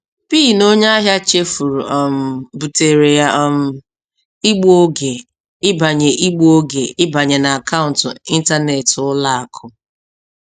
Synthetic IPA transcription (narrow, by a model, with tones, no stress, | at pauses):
piː˦˨no˦ɲa˦a˦ɦja˦t͡ʃe˦fu˨ɾṵ˨ɔ˨m̩˨bu˨te˨ɾe˨ja˦ʔm̩˨ | i˦ɡ͡bo˦ɡe˨ | ɪ˦ba˨ɲe˨ʔi˦ɡ͡bo˦o˦ɡe˨ɪ˦ba˨ɲe˨na˨a˨kʰa˦ʊ̃˨n̩˨tʊ˨i˦n̩˦ta˦ne˨tʊ˦la˦a˨kʰʊ˨